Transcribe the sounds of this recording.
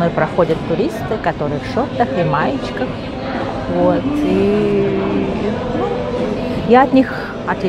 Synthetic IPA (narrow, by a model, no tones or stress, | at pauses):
no̞jpɾɐxo̞dʲət̪ːʊɾʲist̪ɨkɐt̪o̞ɾɨjəfʃot̪əxɪmajɪt͡ɕkəx | vot̪i | jaɐt̪ʲnʲix | ɐt̪ʲ